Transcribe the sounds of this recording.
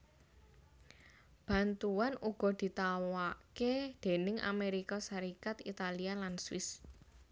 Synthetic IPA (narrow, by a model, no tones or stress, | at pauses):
b̥a̤nt̪uanuɡ̥ɔ̤d̪̥i̤t̪awaked̪̥e̤nɪŋʔa̰meɾikɔsaɾikat̪it̪alialanswɪs